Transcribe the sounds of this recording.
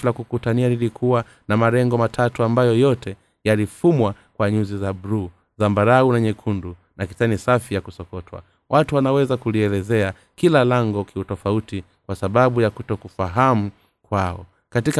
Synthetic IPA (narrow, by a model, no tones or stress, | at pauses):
lakukutanialilikʰuwa | namaɾɛŋɡɔmatʰatuambajɔjɔtɛ | jalifumwakwaɲuzizabɾu | zambaɾaunaɲɛkʰundu | nakitanisafijakusɔkɔtwa̰ | wʔatuwanawɛzakuliɛlɛzɛa | kilalaŋɡɔkʰiutɔfauti | kwasaɓaɓujakutɔkufaɦam̩ | kwaɔ | katika